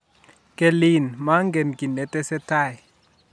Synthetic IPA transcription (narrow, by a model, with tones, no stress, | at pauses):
kʼɛ˨li˨nma˦ŋɡɛ˨nki˨nɛ˨tʼɛ˦sɛ˦tʰa˦˨j